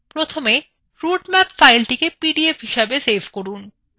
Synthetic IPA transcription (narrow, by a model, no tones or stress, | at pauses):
pɾot̪ʰome | ɾuɖmɛpfajlʈikepiɖiefɦiʃebesefkoɾun